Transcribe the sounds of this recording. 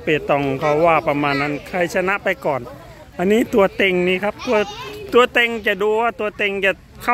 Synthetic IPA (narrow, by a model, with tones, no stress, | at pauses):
pe˨˩t̪ɔ˧˩ŋkʰa˧˩wwaː˧˩pa˧maː˧nːa˦˧˥nkʰa˧jsʰa˧na˦˧˥ʔpa˧jkɔː˨˩n | ʔa˧nːiː˦˥t̪u˧ɐt̪e˧ŋniː˧˩kʰa˦˥p̚t̪u˧ɐt̪u˧ɐ˧t̪e˧ŋt͡ɕa˨˩du˧ɐ˧t̪u˧ɐt̪e˧ŋt͡ɕa˧˩ | kʰa˧˩